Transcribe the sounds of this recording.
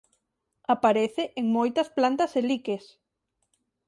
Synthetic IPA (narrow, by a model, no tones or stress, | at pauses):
apaɾeθeʔeŋmojt̪ɐsplant̪ɐselikes